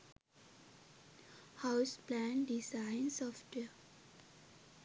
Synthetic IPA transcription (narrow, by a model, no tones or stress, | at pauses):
haʊsplæ̃nɖisãɪnsɔfʈʋe